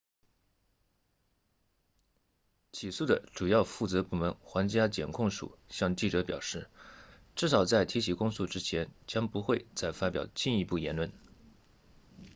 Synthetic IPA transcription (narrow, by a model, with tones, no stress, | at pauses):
t͡ɕʰi˨˩su˥˩d̪ə˩ʈ͡ʂu˨˩jɑ˥˧ʊfu˥˩t͡sɤ˧˥pu˥˩mə˧˥nxwa˧˥ŋt͡ɕja˥t͡ɕjɛ̰˨˩nkʰʊ˥˩ŋʂṵ˨˩ɕjɑ˥˧ŋt͡ɕi˥˩ʈ͡ʂɤ˧˥pjɑ˨˩ʊʂɻ̩˥˩ | ʈ͡ʂɻ̩˥˩ʂɑ˨˩ʊt͡sa˥˩ɪt̪ʰi˧˥t͡ɕʰi˨˩kʊ˥ŋsu˥˧ʈ͡ʂɻ̩˥t͡ɕʰjɛ˧˥nt͡ɕjɑ˥ŋpu˧˥xwe˥˧ɪt͡sa˥˩ɪfa˥pjɑ̰˨˩ʊt͡ɕi˥˩ni˧˥pu˥˩jɛ˧˥nlwə˥˩n